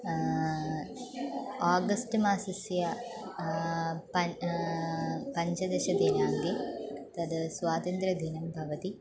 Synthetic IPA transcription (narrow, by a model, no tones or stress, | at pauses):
aːɡɐsʈɨmaːsɐsjɐ | pɐ | pɐɲd͡ʒɐd̪eɕɐd̪inaːŋɡet̪ɐd̪ɨsʋaːt̪ɐnt̪ɾɐd̪ʱinɐmbʱɐʋɐt̪i